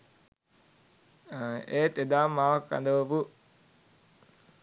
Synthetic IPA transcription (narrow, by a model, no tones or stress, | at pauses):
eːt̪ed̪aːmːaːʋakːa̰nd̪əʋopu